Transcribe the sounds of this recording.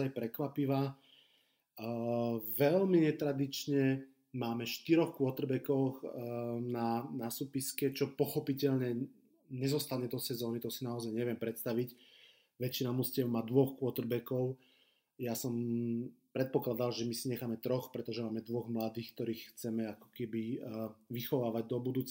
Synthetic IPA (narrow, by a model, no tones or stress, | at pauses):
ajpɾɛkʋapiʋaː | ʋɛlmiɲɛt̪ɾad̪it͡ʃɲɛ | maːmɛʃt̪iɾɔxkʊɔt̪r̩bɛkɔxnanasupiskɛt͡ʃɔpɔxɔpicɛʎɲɛ | ɲɛzɔst̪aɲɛd̪ɔsɛzɔːnit̪ɔsinaɔzajɲɛʋɪɛmpɾɛt̪st̪aʋic | ʋɛt͡ʃːinamuscɪɛwmaːd̪ʋɔxkʊɔt̪r̩bɛkɔʊ | jasɔmpɾɛt̪̚pɔklad̪alʒɛmisiɲɛxaːmɛt̪ɾɔxpɾɛt̪ɔʒɛmaːmɛd̪ʋɔɣmlad̪iːxk̚t̪ɔɾiːxxt͡sɛmɛakɔ̥kɛbiʋixɔʋaːʋaɟ̚d̪ɔbud̪uːt͡s